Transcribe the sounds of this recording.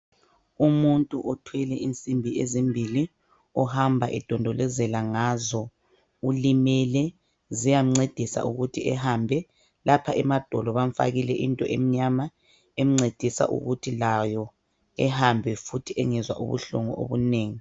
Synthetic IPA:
umuntʼuʔɔtʰwɛlɛʔint͡sʼimbʱiʔezimbʱili | ɔhambʱaʔɛd̥ʱɔndʱɔlɛzɛlaŋazɔ | ulimɛlɛ | zijam̩ŋ͡ǀed̥ʱisa̰ʔuɣutʰiɛhambʱɛ | lapʰaʔɛmad̥ʱɔlɔβaɱfa̰ɣilɛʔintʼɔʔḛm̩ɲama | em̩ŋ͡ǀed̥ʱisa̰ʔṵɣutʰilajɔ | ɛhambʱɛfutʰiʔɛŋɛzwa̰ʔṵβṵɬṵŋṵʔo̰βuneːŋi

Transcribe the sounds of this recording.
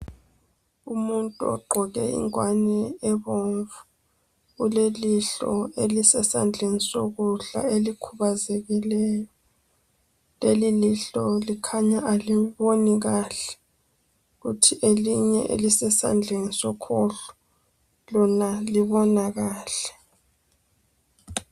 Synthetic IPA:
umuntʼuɔ̰ɡ͡ǃʱɔɣɛ̰ḭŋwanɛɛβoɱvu | ɣuleliɬɔ̰elisɛsa̰nd͡ɮʱenisoɣuɮa̰elikʰuβazeɣilɛːjɔ | leliliɬɔlikʰaɲaʔaliβoniɣaːɬɛ̥ | ɣutʰiʔeliɲɛ̰ʔḛlisɛsa̰nd͡ɮʱenisɔkʰɔɬɔ̥ | lɔnaliβɔnaɣaːɬɛ̥

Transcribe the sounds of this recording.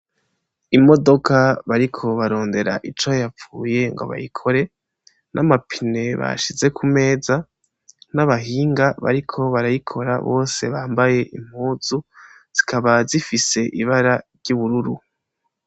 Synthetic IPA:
imo̞do̞kʰaβaɾikʰo̞βaɾo̞ːnde̞ɾa̰ʔit͡ʃojap͡fuːje̞ŋɡo̞̰βa̰jikʰo̞ɾe̞ | nʔamapʰine̞βa̰ʃize̞kʰume̞ːza | naβaɦiːŋɡaβa̰ɾikʰo̞βaɾajikʰo̞ɾa̰βo̞̰ːse̞βaːmbaje̞ʔim̥huːzu | z̥ikʰaβazifise̞ʔiβaɾaɾɟuβuɾuɾu

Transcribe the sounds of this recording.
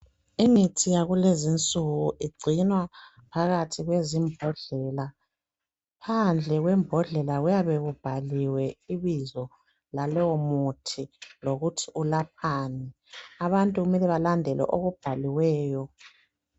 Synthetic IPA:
imitʰijaɣulezint͡sʼuɣuʔiɡ͡ǀʱinwa | pʰaɣatʰiɣwezimbʱɔɮɛla | pʰand͡ɮʱɛɣwɛmbʱɔɮɛlaɣujaβeɣub̥ʱaliwɛiβizɔ | lalɔwɔmutʰiloɣutʰiulap̚ʰaːni | aβantʼuɣumɛlɛβalandʱɛlɛ̰ʔoɣub̥ʱaliwɛːjɔ

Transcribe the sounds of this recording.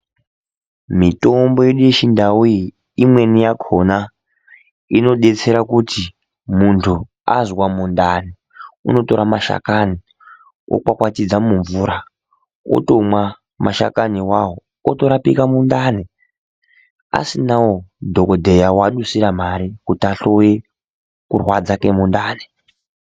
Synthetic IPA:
mito̞mbo̞jeɗujeʃindawui | imwe̞nijakʰona | ino̞ɗe̞t͡se̞ɾakuti | muntʰu | a̰zwamundani | ṵno̞to̞ɾamaʃa̰kani | o̰kwakwatid͡zamuɱvuːɾa | o̰tomwa | maʃa̰kaniwaɦo | oto̞ɾapikamundane | a̰sinawodʱokodʱe̞jawaɗusiɾam̤aɾikutiaɬo̞je | kurwad͡zakemundaːne

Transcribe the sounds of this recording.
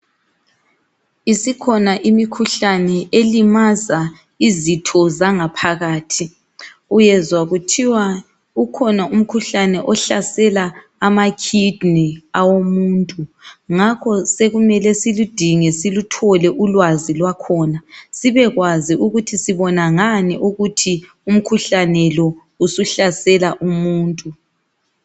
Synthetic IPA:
isikʰɔnaʔimikʰuɬanɛʔelimaza | izitʰɔzaŋapʰaɣaːtʰi | ujɛzwaɣutʰiwa | ukʰɔnaum̩kʰuɬanɛʔɔɬasɛlaː | makʰidniawomuːntʼuŋakʰɔseɣumɛlɛsilud̥ʱiŋɛsilutʰɔlɛʔulwazilwakʰɔːnasiβɛɣwaziʔuɣutʰisiβɔnaŋaniʔuɣutʰi | um̩kʰuɬanɛlɔ | usuɬasɛlaʔumuːntʼu

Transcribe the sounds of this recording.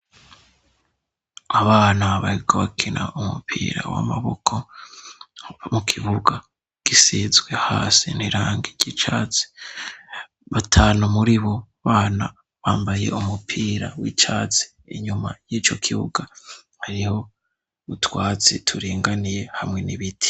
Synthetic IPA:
aβaːnaβahiɡaβakʰinʔaʔumṵpʰḭːɾa̰wa̰maβokʰo̞ | mukʰiβuɡa | ɡ̥isizɡwe̞ha̰ːsḭniɾaːŋɡiɾɟit͡ʃaːt͡si̥ | βatʰaːnumuɾiβo̞ | βaːna | βaːmbaje̞̰umupʰiːɾawiːt͡ʃaːt͡si̥ːɲuma̰jiːt͡ʃo̞kʰiβṵɡa | haɾiho̞ | βutwaːt͡sḭtʰuɾiːŋɡanije̞hamŋe̞niβitʰi̥

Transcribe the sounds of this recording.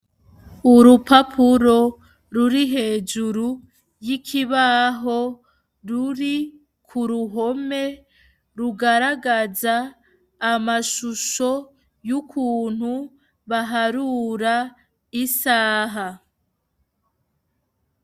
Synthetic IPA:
uɾupapʰuɾo̞ | ɾuɾiɦe̞ːd͡ʒuɾu | jikʰiβaɦo̞ | ɾuɾi | kʰuɾuɦo̞me̞ | ɾuɡaɾaɡazaː | maʃuʃo̞ | jukʰuːn̥hu | βaɦaɾuːɾa | isaːɦa

